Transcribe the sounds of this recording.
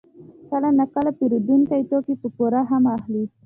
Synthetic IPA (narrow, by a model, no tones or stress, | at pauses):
kalanakalapiɾud̪inkajt̪okipəpoɾaɦamaxli